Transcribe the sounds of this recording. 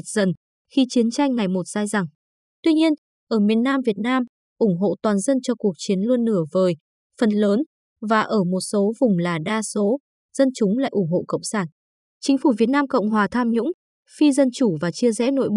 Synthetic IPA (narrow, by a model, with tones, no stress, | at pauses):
t̚zə˨˩n | xi˧t͡ɕi˨˦ənt͡ɕa˧jŋ̟ːa˨˩jmo˨˩t̚z̥aː˧jza˨˩ŋ | t̪wi˧ɲi˧ən | ʔəː˧˩mi˨˩ənːaː˧mvi˨˩ət̚naː˧m | ʔʊ˧˩ŋ͡mɦo̰˧˨t̪waː˨˩nzə˧nt͡ɕɔ˧ku˨˩ək̚t͡ɕi˨˦ənlu˧ənːɨ˧˩əvəː˨˩j | fə˨˩nləː˨˦n | vaː˨˩ʔəː˧˩mo˨˩t̚so˨˦vʊ˨˩ŋ͡mlaː˨˩ɗaː˧so˨˦ | z̥ə˧nt͡ɕʊ˨˦ŋ͡mla̰ː˧˨jʔʊ˧˩ŋ͡mɦho̰˧˨kə̰˧˨wŋ͡msaː˧˩n | t͡ɕï˨˦ŋ̟fu˧˩vi˨˩ət̚naː˧mkə̰˧˨wŋ͡mɦwaː˨˩t̪ʰaː˧mɲʊ̰˧˥ŋ͡m | fi˧zə˧nt͡ɕu˧˩vaː˨˩t͡ɕi˧əzɛ̰˧˥no̰˧˨jɓ